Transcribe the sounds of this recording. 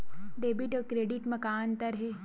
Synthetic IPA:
ɖeːbiʈɔːɾkɾeːɖɪʈmɐkaːnt̪ɐɾɦe

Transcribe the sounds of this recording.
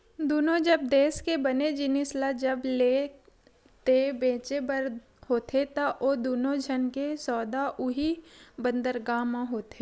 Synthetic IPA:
d̪uːnõd͡ʒɐb̚d̪eːskebɐned͡ʒɪnɪslad͡ʒɐble | t̪ebẽːt͡ʃebəɾ | hoːt̪ʰet̪aʔoːd̪uːnõd͡ʒʱənkesɔːd̪aʔʊɦibə̃nd̪əɾɡaːmãɦoːt̪e

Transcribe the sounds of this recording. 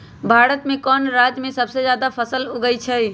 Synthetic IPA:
bʱaːɾət̪mẽkɔːnɾad͡ʒmẽsəbsed͡ʒjaːd̪apʰəsəluɡəjt͡ʃʰəj

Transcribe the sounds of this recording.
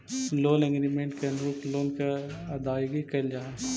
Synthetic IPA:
loːnɪ̃ŋɡɾimẽɳʈkeɐnɾuːpʰloːnkeɐd̪aːjɡikɐld͡ʒaːe

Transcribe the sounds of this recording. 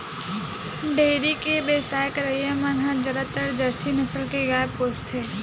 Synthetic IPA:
ɖeːɾikebeːsaːjəkɾəijamãnɦãd͡ʒəɾət̪ːəɾd͡ʒəɾsinəsəlkeɡaːepoːst̪ʰɦeː

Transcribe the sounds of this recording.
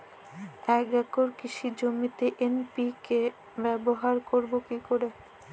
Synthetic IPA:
ɛkɛkoɾkiʃʰid͡ʑomit̪eʔenpike | bɛboɦaɾkoɾbokikoɾe

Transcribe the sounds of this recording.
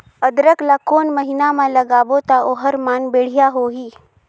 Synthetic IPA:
əd̪ɾəklakoːnməɦɪnamãləɡaːbot̪aoːɦəɾmaːnbeːɽ̤ijaɦoɦiː

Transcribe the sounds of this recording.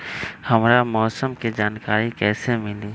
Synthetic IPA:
hɐmɾamɔːsəmkid͡ʒaːnkaːɾikɛːsemɪliː

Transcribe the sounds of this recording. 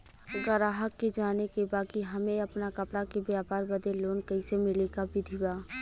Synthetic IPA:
ɡɐɾaːɦəkːed͡ʒaːnekebaːkiɦɐmẽɐpnakɐpɽakebjaːpaːɾbɐd̪eloːnkɐɪsemɪlekabɪd̪ʱibaː

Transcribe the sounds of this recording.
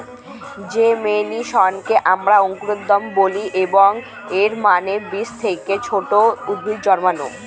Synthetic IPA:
d͡ʑemeniʃɔnkeʔamɾaoŋkuɾod̪ːɔmboliʔeboŋ | eɾmanebist̪ʰeket͡ɕʰoʈoubʱid͡ʑɔɾmano̰

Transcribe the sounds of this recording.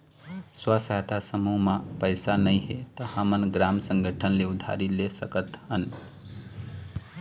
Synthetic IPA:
swəsaɦt̪ʰasəmuɦmapəɪsanəjɦet̪əhəmənɡɾamsəŋɡʱəʈʰənleud̪ʱa̰ɾilesəkət̪hən

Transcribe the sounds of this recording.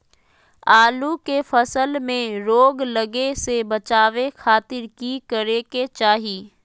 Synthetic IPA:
aːlukefəsəlmẽɾoːɡləɡesebɐt͡ʃaːʋekʰaːt̪ɪɾkikəɾeket͡ʃaːɦiː

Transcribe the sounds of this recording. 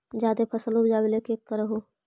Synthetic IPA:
d͡ʒjaːd̪epʰəsəlobd͡ʒaːbelekeːkːəɾəɦoː

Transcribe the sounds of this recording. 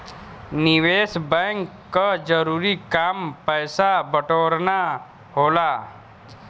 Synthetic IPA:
nɪʋeːsbɛ̃ŋkːad͡ʒəɾuːɾikaːmpəːsabəʈoːɾna | ɦoːlaː

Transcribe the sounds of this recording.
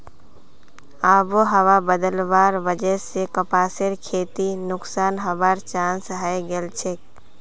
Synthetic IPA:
aːboɦəʋabəd̪əlʋaːɾʋəd͡ʒəsekəpaːsɪɾkʰeːt̪inʊksaːnɦəbaːɾt͡ʃãːnsɦajɡelt͡ʃʰek̚

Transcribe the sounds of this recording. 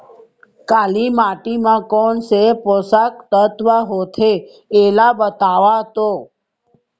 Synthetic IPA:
kalimaʈimãkɔɳseposak̚t̪ət̪ʋaɦot̪ʰe | elabət̪aʋat̪o

